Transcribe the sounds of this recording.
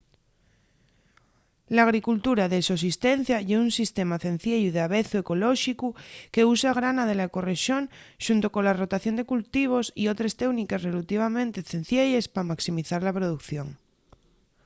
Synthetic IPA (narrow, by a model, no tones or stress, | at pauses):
laːɣ̞ɾikult̪uɾaðesos̬ist̪enθjaʝeunsist̪emaθẽn̟θjejuðeaβeθue̞ko̞loʃikuke̞usaɣ̞ɾanað̞e̞lako̞reʃjo̞nʃunt̪oko̞nlaro̞t̪aθjo̞nd̪e̞kult̪iβ̞o̞sio̞t̪ɾest̪eɣnikesrelut̪iβ̞amẽnt̪eθẽn̟θjeʎespamaksimiθaɾlapɾoð̞ukθjo̞ŋ